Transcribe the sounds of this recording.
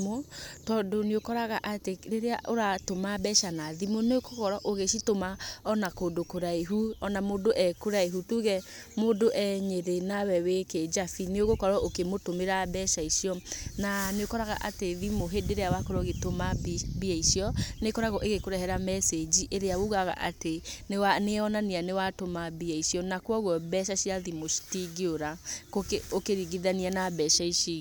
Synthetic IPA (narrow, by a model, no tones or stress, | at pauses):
otɔdoneokɔɾaɣaʔateɾeɾea̰ʔoɾatomabɛʃanaðimoneokokɔɾɔʔoɣeʃitomaɔnakoːdokoɾaeɦuɔnamoːdoʔɛkoɾaeɦutuɣɛ | modoʔɛɲeɾenawɛweked͡ʒafineoɣokɔɾɔʔokemotomeɾabɛʃaiʃiɔnaneokɔɾaɣa̰ʔateðimoɦedeɾeawakoɾɔɣetomabiaiʃiɔnekɔɾaɣɔʔeɣekoɾɛɦɛɾamɛsed͡ʑiʔeɾeawoɣaɣa̰ʔatenewaneɔnanianewatomabiaiʃiɔnakwɔɣwɔbɛʃaɕiaðimoʃi̥tiɡioɾakokeokeɾiɡiðanianabɛʃaiʃi